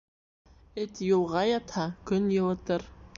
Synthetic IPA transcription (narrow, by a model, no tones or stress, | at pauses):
ɘt̪julˠʁɑjɑt̪hɑkɵnjɤ̆lˠɤ̆t̪ɤɾ